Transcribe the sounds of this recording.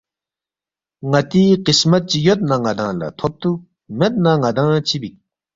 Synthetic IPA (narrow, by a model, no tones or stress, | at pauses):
ŋat̪iqəsmat̪̚t͡ɕəjot̪̚naŋad̪aŋla̰t̪ʰop̚t̪u | met̪̚naŋad̪aŋt͡ɕʰibik̚